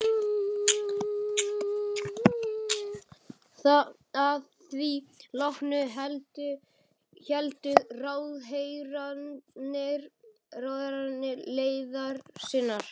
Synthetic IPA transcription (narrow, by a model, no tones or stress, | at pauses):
aðθvilɔhnʏɦɛlt̪ʏ | çɛlt̪ʏraːwðɦejɾanɪɾ | rawðeɾanːɪɾleːjðaɾsɪnːaɾ̥